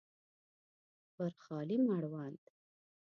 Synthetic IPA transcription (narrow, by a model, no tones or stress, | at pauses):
bəɾxɑːlimaɽwɑnd̪